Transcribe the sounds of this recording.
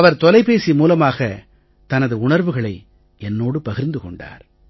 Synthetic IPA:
ɐʋɐɾt̪ɔlɐɪpeːsimuːlɐmaːɣɐ | t̪ɐnɐðɯʊɳɐɾʋɯɣɐɭɐɪ | ɛnːoːɽɯpɐɣɪɾnd̪ɯkɔɳɖa̰ːɾ

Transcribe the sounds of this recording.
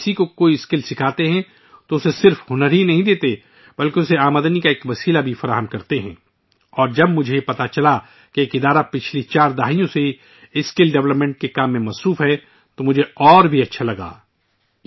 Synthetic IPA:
sikokoːiɪskɪlsɪkʰaːt̪eɦɛ̃ | t̪oʊsesɪɾfɦʊnəɾɦinɐɦĩd̪eːt̪e | bɐlkeʊseaːməd̪ənikaeːkʋɐsiːlabʱifɐɾaːɦəmkɐɾt̪eɦɛ̰̃ː | ɔːɾd͡ʒɐbmʊd͡ʒʱepɐt̪at͡ʃɐla | keeːkɪd̪aːɾapɪt͡ʃʰlit͡ʃaːɾd̪aɦijõse | ɪskɪlɖɛʋləpmẽɳʈ̚kekaːmːẽmɐsɾuːfɦɛ | t̪omʊd͡ʒʱeɔːɾbʱiɐtːʃʰalɐɡa̰ː

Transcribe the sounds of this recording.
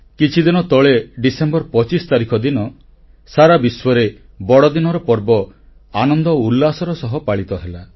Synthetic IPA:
kit͡ʃʰid̪inɔt̪ɔɭeɖisembɔɾpɔt͡ʃist̪aɾikʰɔd̪inɔ | saɾabiswɔɾe | bɔɽɔd̪inɔɾɔpɔɾbɔ | anɔnd̪ɔulːasɔɾɔsɔɦɔpaɭit̪ɔɦela

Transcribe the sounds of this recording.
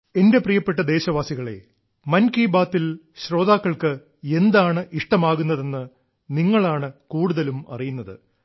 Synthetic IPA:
e̞nde̞prijɐpːeʈ̬ːɐd̪e̞ːɕɐʋaːsiɣɐɭe̞̰ | mɐnkiːbaːt̪ːil | ɕro̞ːd̪aːkːɐɭkɨ | e̞nd̪aːɳɨʔiʂʈɐmaːɣunːɐðe̞nːɨ | niŋːɐɭaːɳɨkuːɽuðɐlumɐ̰rijunːɐðɨ

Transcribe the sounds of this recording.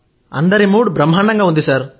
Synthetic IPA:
ɐ̰nd̪ɐɾimuːɽbɾɐmɦɐɳɐŋɡɐɦund̪isɐɾ

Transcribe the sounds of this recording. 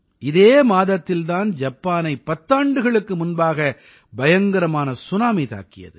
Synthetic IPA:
ɪðeːmaːðɐt̪ːɪlt̪aːnd͡ʒɐpːaːnɐɪpɐt̪ːaːɳɖɯɣɐɭɯkːɯmʊnbaːɣɐ | bɐjɐŋɡɐɾɐmaːnɐsʊnaːmɪt̪a̰ːkːɪjɐ̰ðɯ

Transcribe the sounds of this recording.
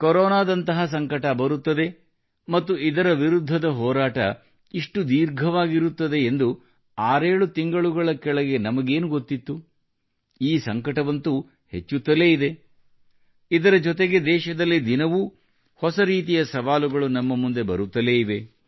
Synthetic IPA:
koɾɔːnaːd̪ɐnt̪ɐɦɐs̬ɐŋkɐʈɐbɐɾut̪ːɐd̪e̞ | mɐt̪ːuid̪ɐɾɐʋiɾud̪ʱːɐd̪ɐɦɔːɾaːʈɐ̰ | iʂʈud̪iːɾɡʱɐʋaːɡiɾut̪ːɐd̪e̞ːnd̪u | aːɾeːɭut̪iŋɡɐɭuɡɐɭɐkɛɭɐɡe̞nɐmɐɡe̞ːnuɡot̪ːit̪ːu | iːsɐŋkɐʈɐʋɐnt̪u | he̞̰t͡ʃːut̪ːɐle̞ːid̪e̞ | id̪ɐɾɐd͡ʒɔt̪e̞ɡe̞d̪ɛːʃɐd̪ɐlːid̪inɐʋu | hɔsɐɾiːt̪ijɐsɐʋaːluɡɐɭunɐmːɐmund̪e̞bɐ̰ɾut̪ːɐle̞ːiʋe̞

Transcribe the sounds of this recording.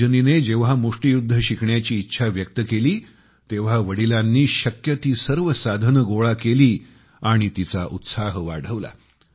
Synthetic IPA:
ənined͡ʑeʋ̤ɦamuʂʈijud̪ʱːəɕikʰɳjat͡ɕiːtːɕʰaʋjək̚t̪əkeliː | t̪eʋ̤aʋəɽilãnːiːɕəkjət̪iːsəɾʋəsad̪ʱənəɡoɭakeliː | aɽ̃it̪it͡saʔut̪saɦʋa̰ɽ̤əʋla̰

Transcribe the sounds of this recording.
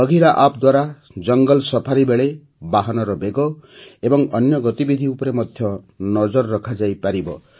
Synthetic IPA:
ʌɡʱiɾaʔap̚d̪waɾa | d͡ʒʌŋɡɔlsɔpʰaɾibeɭe | baɦɔnɔɾɔbeɡɔebɔŋʌnjɔɡɔt̪ibid̪ʱiupɾemɔd̪ʱjɔ | nɔd͡ʒɔɾːɔkʰad͡ʒajpaɾibɔ

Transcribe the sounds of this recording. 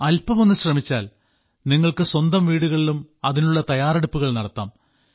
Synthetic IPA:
ɐlpɐmo̞nːɨɕrɐmit͡ɕːaːl | niŋːɐɭkɨswɐnd̪ɐmʋiːɽuɣɐɭilumɐðinuɭːɐt̪ɐjaːreɽupːuɣɐɭnɐɽɐt̪ːa̰ːm

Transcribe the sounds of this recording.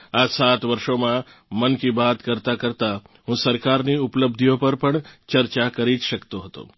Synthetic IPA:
aːd͡ʒsaːt̪ʋɐɾʃõmã | mɐnkibaːt̪kɐɾt̪akɐɾt̪a | ɦʊ̃sɐɾkaːɾniʊpləb̚d̪ʱijõpɐɾpəɳ̃t͡ʃɐɾt͡ʃakɐɾiːd͡ʒʃɐkt̪oɦot̪o̰ː

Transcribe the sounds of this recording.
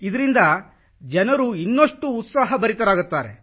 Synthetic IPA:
id̪ɐɾind̪ɐ | d͡ʒɐnɐɾuinːoʂʈuːt̪saːɦɐbɐɾit̪ɐɾaːɡut̪ːaːɾe

